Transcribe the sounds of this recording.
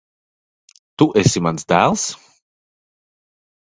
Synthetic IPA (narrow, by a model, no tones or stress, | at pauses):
t̪uʔesʲimansd̪æːlˠs